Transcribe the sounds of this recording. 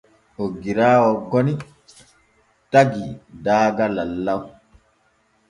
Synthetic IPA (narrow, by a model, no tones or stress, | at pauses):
oɡiɾaːwɔɡɔni | taɡidaːɡalalːaw